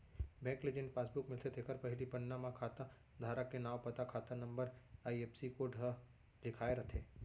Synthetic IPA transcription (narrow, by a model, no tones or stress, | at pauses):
bɛ̃kled͡ʒẽɳɖ̚paːsbukmɪlt̪ʰet̪ʰekəɾpəɦilipənːamãkʰat̪a | d̪ʱaɾakːenaʋpət̪akʰat̪anəmbəɾaiepsikoʈɦə | lɪkʰaeɾət̪ʰe